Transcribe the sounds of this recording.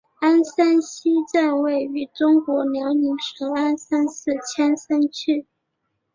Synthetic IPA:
a˥nsa˥nɕi˥ʈ͡ʂa˥˧nwe˥˩ɪy˧˥ʈ͡ʂʊ˥ŋkwɔ˧˥ljɑ˧˥ŋni˧˥ŋʂɤ˧˥ŋa˥nsa˥nsɹ̩˥˩t͡ɕʰjɛ˥nsa˥nt͡ɕʰy˥˩

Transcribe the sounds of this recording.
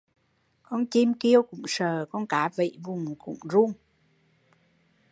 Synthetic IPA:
kɔ˧nt͡ɕi˧mki˧əwkʊ̰˧˥ŋ͡msəː˨˩kɔ˧nkaː˨˦vḭ˧˨vʊ˨˩ŋ͡mkʊ̰˧˥ŋ͡mzu˧əŋ

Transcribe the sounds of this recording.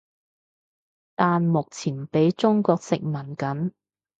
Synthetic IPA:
t̪aː˨nmʊ˨k̚t͡sʰiː˨˩npe˨˥jt͡ʃʊ˥ŋkɔː˧k̚sɪ˨k̚mɐ˨˩nkɐ˨˥n

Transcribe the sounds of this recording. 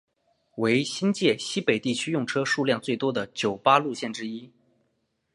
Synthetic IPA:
we˧˥ɪɕi˥nt͡ɕjɛ˥˩ɕi˥pe˨˩ɪt̪i˥˩t͡ɕʰy˥jʊ˥˩ŋʈ͡ʂʰɤ˥ʂu˥˧ljɑ˥˧ŋt͡swe˥˩ɪt̪wɔ˥d̪ə˨t͡ɕjo˨˩ʊpa˥lu˥˧ɕjɛ˥˩nʈ͡ʂɻ̩˥i˥

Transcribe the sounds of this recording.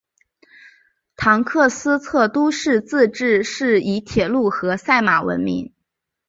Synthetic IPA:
t̪ʰɑ˧˥ŋkʰɤ˥˩sɹ̩˥t͡sʰɤ˥˧t̪u˥ʂɻ̩˥˧t͡sɹ̩˥˧ʈ͡ʂɻ̩˥˧ʂɻ̩˥˩i˧˥t̪ʰjɛ˨˩lu˥˩xɤ˧˥sa˥˩ɪma˨˩wə̰˧˥nmḭ˧˥ŋ

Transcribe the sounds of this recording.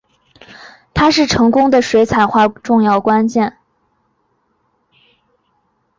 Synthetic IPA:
t̪ʰa˥ʂɻ̩˥˩ʈ͡ʂʰɤ˧˥ŋkʊ˥ŋd̪ə˨ʂwe˧˥ɪt͡sʰa˨˩ɪxwa˥˧ʈ͡ʂʊ˥˧ŋjɑ˥˩ʊkwa˥nt͡ɕjɛ˥˩n

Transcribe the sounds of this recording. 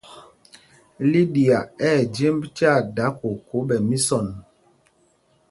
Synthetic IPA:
li˦ɗi˨a˨ɛː˦˨d͡ʒe˦mbta˦˨da˨˦ko˨ko˨˦ɓɛ˨mi˦sɔ˦˨n

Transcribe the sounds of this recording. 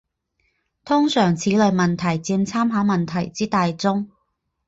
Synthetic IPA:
t̪ʰʊ˥ŋsœː˨˩ŋt͡sʰiː˨˥lɵ˨˧ɥmɐ˨nt̪ʰɐ˨˩jt͡siː˧nt͡sʰaː˥mɦaː˨˥mɐ˨nt̪ʰɐ˨˩jt͡siː˥t̪aː˨jt͡sʊ˥ŋ

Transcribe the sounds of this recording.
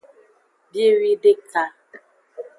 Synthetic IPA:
di˦ɾi˦dɪ˦ka˦

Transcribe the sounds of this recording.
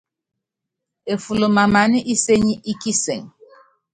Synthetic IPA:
e˨fu˨lo˨ma˨ma˨ni˦ʔi˦se˦ɲi˦ʔi˦ki˦se˨ŋ

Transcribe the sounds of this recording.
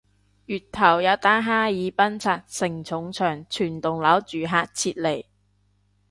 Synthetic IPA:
jyː˨t̚t̪ʰɐ˨˩wjɐ˨˧wt̪aː˥ɦaː˥jiː˨˧pɐ˥nt͡sʰaː˨˧t̚sɪ˨˩ŋt͡sʰʊ˨˧˥ŋt͡sʰœː˨˩ŋt͡ʃʰyː˨˩nt̪ʊ˨ŋlɐ˨˥wt͡ʃyː˨ɦaː˧t̚t͡sʰiː˧t̚le˨˩j

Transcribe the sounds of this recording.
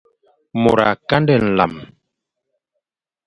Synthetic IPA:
mo˨ɾa̰˨ka˦ndɛ˦˨n̩˨la̰˨m

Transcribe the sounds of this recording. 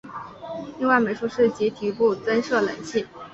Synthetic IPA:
li˥˧ŋwa˥˩ɪme˨˩ɪʂu˥˧ʂɻ̩˥˩t͡ɕi˧˥t̪ʰi˧˥pu˥˩t͡sə˥nʂɤ˥˩lə̰˨˩˦nɕʰi˥˩

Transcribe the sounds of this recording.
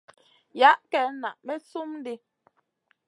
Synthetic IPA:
ja˨˦ʔkɛ˨˦na̰˨ʔmɛ˦su˦m˦di˦

